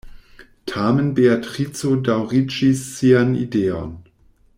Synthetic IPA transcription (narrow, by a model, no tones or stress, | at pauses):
tʰaːmənbeatʁit͡sodawʁit͡ʃisːianḭdeːɔ̰n